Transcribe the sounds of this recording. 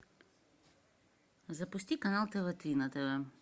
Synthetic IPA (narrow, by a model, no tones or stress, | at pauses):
zapust̪ikanalˠt̪ɛvat̪ɾinat̪ɛvɛ